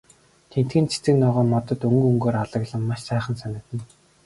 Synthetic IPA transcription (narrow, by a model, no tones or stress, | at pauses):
t̪ʰen̥t̪ɡɘ̆nt͡sʰe̥t͡sɘ̆knɔːʁɔːmɔt̪ɞ̆t̪ɵŋɡɵŋɡoːɾaɮə̆ɣɮə̆mːaʃsæːχə̆nsanʲɪ̆t̪ɘ̆n